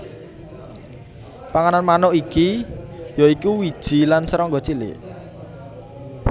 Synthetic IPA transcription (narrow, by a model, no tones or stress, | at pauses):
paŋananmanɔʔikijoikuwid̥ʒ̥i̤lansəɾɔŋɡɔt͡ʃilɪ̰ʔ